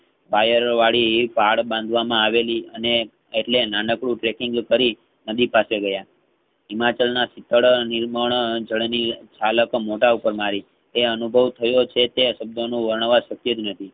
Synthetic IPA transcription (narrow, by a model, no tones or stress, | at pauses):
bajəɾʋaɭifaɽbãnd̪ʱʋamãaʋeliəne | eʈlenanəkɽũʈɾekɪ̃ŋɡkəɾi | nəd̪ipaseɡəja | imat͡ʃəlnasɪt̪ːəɭniɾməɳ̃d͡ʒəɭnit͡ʃaləkmoʈaupəɾmaɾi | eənubʱəʋt̪ʰəjot͡ʃʰet̪eʃəb̚d̪ʱonũʋəɾɳəʋaʃəkjəd͡ʒ̪nət̪ʰi